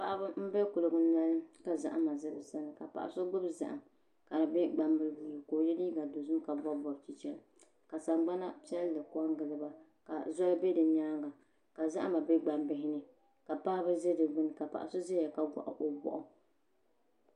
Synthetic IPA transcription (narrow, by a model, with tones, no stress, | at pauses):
pa˨ʔa˦bɨ˦m̩˦bɛ˦kʊ˨lɨ˨ɡɨ˦na˦lka˨za̰˨ʔa˦ma˨zɨ˦bɨ˨sa˦nɨ˨ka˨pa̰˨ʔa̰˨so˦ɡ͡bɨ˦bza̰˨ʔa̰˨ | ka˨nɨ˨bɛ˦ɡ͡ba˨mbɨ˦lbu˨koː˨jɛ˦li˦ɡa˨do˨zʊ˦mka˨bɔ˦bɔ˨ɾt͡ʃi˨t͡ʃɛ˦l | ka˨sa˨ŋɡ͡ba˦na˦pi˦ɛ˦lːɨ˨kʊ˦a˦ŋ˦ɡɨ˨lɨ˦ba˦ | ka̰˨zɔ˦bɛ˦dɨ˨ɲaː˦ŋɡa˨ | ka˨za̰˦ʔa˦ma˨bɛ˦ɡ͡ba˨mbɪ˦ɦɪ˦nɨ˦ | ka˨paː˦bɨ˦ze˦dɨ˨ɡ͡bɨ˦n˨ka˨pa̰˨ʔa̰˨so˦ze˦ja˨ka˦ɡʷa̰˨ʔʊ̰˨ʔo˦bɔ̰˨ʔʊ˦